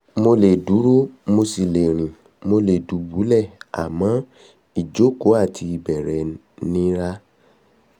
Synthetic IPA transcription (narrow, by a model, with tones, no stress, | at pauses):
mo˧le˨du˨˦ɾo˦mo˧si˨le˨ɾ̃ĩ˨ | mo˧le˨du˨˦bu˨˦lɛ˦˨a̰˨mã˨˦ | i˦˨d͡ʒo˨˦ko˨˦a˦˨tʰi˧i˧bɛ˨ɾɛ˨˦ | nĩ˦ɾa˦